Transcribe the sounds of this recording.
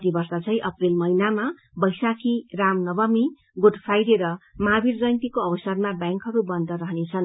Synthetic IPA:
t̪ibʌrsat͡sʰʌj̃ʔʌprilmʌjnama | bʌjsakʰiramnʌbʌmi | ɡoʈpʰajɾeɾʌmabiɾd͡zʌjnt̪ikoʌbʌsʌrmabjaŋkɦʌɾubʌnd̪ʱʌɾʌɦnet͡sʰʌn

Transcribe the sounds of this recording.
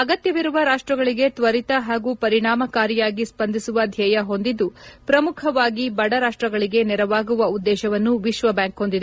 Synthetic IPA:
ɐɡɐt̪jɐʋiɾuʋɐɾaːʂʈɾɐɡɐɭiɡe̞t̪ʋɐɾit̪ɐɦaːɡupɐɾiɳaːmɐkaːɾijaːɡispɐnd̪ʱisuʋɐd̪ʱjɐjɐɦo̞nd̪id̪ːupɾɐmukʰɐʋaːɡibɐɽɐɾaːʂʈɾɐɡɐɭiɡe̞nɛɾɐʋaːɡuʋɐud̪ːɛːʃɐʋɐnːuʋiʃʋɐbjaːŋkɦo̞nd̪id̪e

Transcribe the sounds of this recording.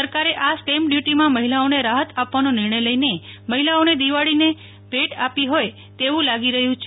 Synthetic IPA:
səɾkaɾeʔasʈemɖjuʈimãməɦilaoneɾaɦət̪ʰapʋanonɪɾɳəjləjneməɦilaoned̪iʋaɭine | bʱeʈapiɦoj | t̪eʋũlaɡiɾəɦjũt͡ʃʰ

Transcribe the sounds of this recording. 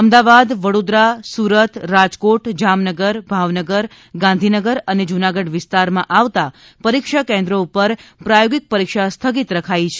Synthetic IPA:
əmd̪aʋad̪ʋəɽod̪ɾasuɾət̪ɾad͡ʒkoʈd͡ʒamnəɡəɾbʱaʋnəɡəɾ | ɡãnd̪ʱinəɡəɾəned͡ʒunaɡəɖʋɪst̪aɾmãʔaʋt̪a | pəɾikʃakɛ̃nd̪ɾoupəɾpɾajoɡik̚pəɾikʃast̪ʰəɡit̪ɾəkʰajit͡ʃʰe

